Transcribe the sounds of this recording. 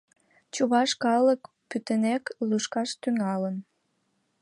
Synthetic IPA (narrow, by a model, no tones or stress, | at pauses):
t͡ɕuβɑʃkɑlək | pyt̪ənekluʃkɑʃt̪yŋɑlən